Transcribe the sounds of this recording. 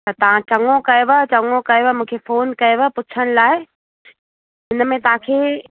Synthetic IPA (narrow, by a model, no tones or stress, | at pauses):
ɐt̪ɐʋ̤ãt͡ɕɐŋokɐjoʋat͡ɕɐŋokɐjʋamũːkʰefoːnkɐjoʋapʊt͡ɕʰəñɪ̆laːɪ | ɦɪnmẽt̪ɐʋ̤ãkʰeː